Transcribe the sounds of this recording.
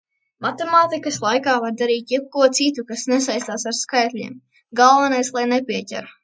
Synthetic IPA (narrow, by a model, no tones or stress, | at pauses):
mat̪emaːt̪ikɐslˠajkaːvaɾd̪aɾiːt̪ʲjɛp̚kuɔt̪sit̪ukasnes̬ajst̪aːsaɾskajt̪ʲʎʲḭɛm | ɡalˠvɛnajslˠajnepʲiɛcʲɛ̰ɾu